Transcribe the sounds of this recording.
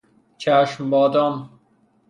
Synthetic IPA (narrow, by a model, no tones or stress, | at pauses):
t͡ʃʰæʃmbɒːd̪ɔn